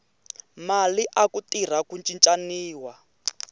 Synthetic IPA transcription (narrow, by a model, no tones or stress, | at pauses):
maliʔakutir̤akunt͡ʃint͡ʃʼaniːwa